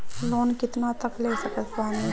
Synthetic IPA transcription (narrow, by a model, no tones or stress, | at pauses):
loːnkɪt̪nat̪əklesəkət̪baːni